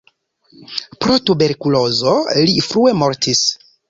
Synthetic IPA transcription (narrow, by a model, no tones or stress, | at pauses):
pɾo̞tube̞ɾkulo̞zo̞lifɾue̞mo̞ɾtis